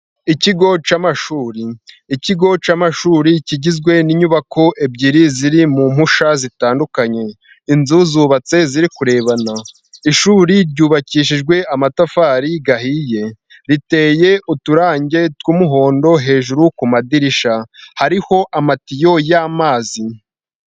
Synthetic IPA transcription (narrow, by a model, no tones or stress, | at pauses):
iciɡo̞t͡ʃamaʃuːɾiː | ciɡo̞t͡ʃamaʃuːɾiciɟizɡwe̞niɲuβakʰo̞ʔe̞bɟiɾiziɾimum̥huʃazitaːndukaɲe̞ | inzuːzuːβat͡se̞ziɾikuɾe̞ːβana | iʃuːɾiɾɟuːβaciːʃ̬iʒɡwe̞ʔamatafaːɾiɡahije̞ | ɾite̞je̞utuɾaːɲɟe̞twuːmuɦo̞ːndo̞ɦe̞ːʒuɾukumadiɾiʃahaɾiho̞ʔamatijo̞jaːmaːzi